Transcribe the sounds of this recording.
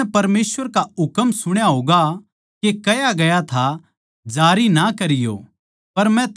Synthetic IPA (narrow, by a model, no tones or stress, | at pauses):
ɛpɐɾmeːsʋəɾkaʊkəmsʊɽ̃jaɦoːɡa | kekɐjaɡɐjat̪ʰa | d͡ʒaːɾinakɐɾɪjo̰ː | pɐɾmɛ̃t̪